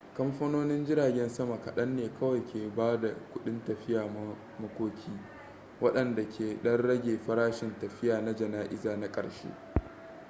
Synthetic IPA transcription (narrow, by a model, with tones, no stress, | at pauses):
kɐ˦mɸɐ˦noː˦nɪ˦nd͡ʒɪ˦ɾaː˨ɡʲɛ˦nsɐ˦ma˨kɐ˨ɗɐ˦nːeː˨kʰɐ˦wɐ˨jkʲeː˨baː˦da˨kʷʊ˦ɗɪ˦ntɐ˨ɸɪ˦jaː˨m˦ | mɐ˦kʷoː˦kʲiː˦ | wɐ˦ɗɐ˨nda˨kʲeː˨ɗɐ˦rɽɐ˦ɡʲeː˨ɸɐ˦ɾaː˦ʃɪ˨ntɐ˨ɸɪ˦jaː˨na˦d͡ʒɐ˨naː˦ʔɪ˦zaː˨na˦kʼɐ̰˨ɽʃḛː˦